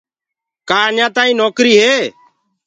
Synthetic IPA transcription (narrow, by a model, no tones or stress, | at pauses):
kaːɲãːt̪aːĩːnoːkɾiːɦeː